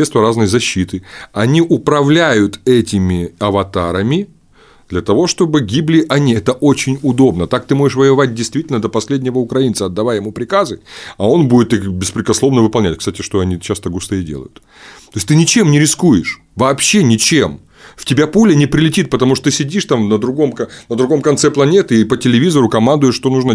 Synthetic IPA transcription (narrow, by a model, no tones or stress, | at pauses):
t̪st̪vʲəɾaznəjzɐɕːit̪ɨɐnʲiʔʊpɾɐvlʲæjʊt̪ɛtʲɪmʲɪɐvɐt̪aɾəmʲɪ | d̪̥lʲɐt̪ɐvo̞ʂt̪o̞bɨɡʲiblʲɪʔɐnʲiɛt̪əʔot͡ɕɪnʲʊd̪o̞bnət̪ak̚t̪ɨmoʐɪʂvəjɪvat̚ʲdʲɪjst̪vʲitʲɪlʲnəd̪əpɐsʲlʲedʲnʲɪvəʊkɾɐinsəɐd̪ːɐvajɪmupɾʲɪkazɨɐo̞nbudʲɪt̪ixbʲɪspɾʲɪkɐslˠo̞vnəvɨpɐlˠnʲætʲkst̪atʲɪʂt̪oɐnʲit͡ɕast̪əɡust̪ɨɪdʲḛlə̰jʊt̪ | t̪oɪsʲt̪ɨnʲɪt͡ɕe̞mnʲɪɾʲɪskujɪʂ | vɐːpɕːe̞nʲɪt͡ɕem | ftʲɪbʲapulʲənʲɪpɾʲɪlʲɪtʲit̪̚pət̪ɐmuʂt̪ot̪ɨsʲɪdʲiʂt̪amnəd̪ɾʊɡo̞mknəd̪ɾʊɡo̞mkɐnt̪sɛplˠɐnʲe̞t̪ɨːpətʲɪlʲɪvʲizəɾʊkɐmand̪ʊjɪʂːt̪o̞nuʐnə